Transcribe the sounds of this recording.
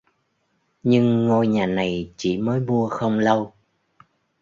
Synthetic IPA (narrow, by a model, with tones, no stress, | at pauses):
ɲɨ˧ŋːo˧jɲaː˨˩na˨˩jt͡ɕḭ˧˩məː˨˦jmu˧əxə˧wŋ͡mlə˧w